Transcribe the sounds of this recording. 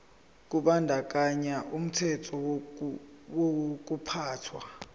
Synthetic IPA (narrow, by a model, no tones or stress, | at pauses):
k̬uɓandʱak̬ʼaɲaʔum̩tʰɛtʰɔ | wok̬upʰaːtʰwa